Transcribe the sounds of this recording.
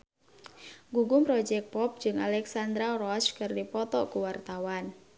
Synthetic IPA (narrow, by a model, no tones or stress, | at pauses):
ɡuɡʊmpɾɔd͡ʒɛk̚pɔp̚d͡ʒɨŋalɛksand̪ɾarɔskɨrdipɔt̪ɔkuwart̪awan